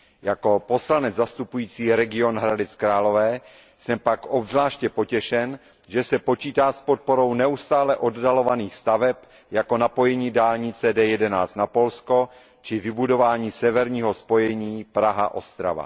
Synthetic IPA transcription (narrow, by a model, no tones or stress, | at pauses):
jako̞po̞slanɛd͡zzast̪upujiːt͡siːɾɛɡɪo̞nɦɾadɛt͡skɾaːlo̞vɛː | sɛmpakʔobzlaːʃcɛpo̞cɛʃɛn | ʒɛsɛpo̞t͡ʃiːt̪aːspot̪̚po̞ɾo̞wnɛust̪aːlɛʔo̞ddalo̞vaniːxst̪avɛp | jako̞napo̞jɛɲiːdaːlɲɪt͡sɛdɛːjɛdɛnaːt͡st̪napo̞lsko̞ | t͡ʃɪvɪbudo̞vaːɲiːsɛvɛɾɲiːɦo̞spo̞jɛɲiːpɾaɦa̰ʔo̞̰st̪ɾa̰va̰